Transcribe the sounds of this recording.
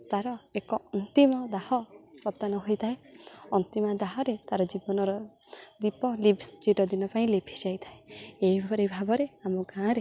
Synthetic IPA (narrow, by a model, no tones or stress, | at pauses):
t̪aɾɔekɔɔnt̪imɔd̪ahɔ | pɾɔt̪anɔɦojt̪ʰae | ɔnt̪imad̪aɦɔɾet̪aɾɔd͡ʒibɔnɔɾɔd̪ipɔlibsd͡ʒiɾɔd̪inɔpaĩlepʰi̥d͡ʒajt̪ʰaeeɦibʱɔɾibʱabɔɾeamɔɡãɾe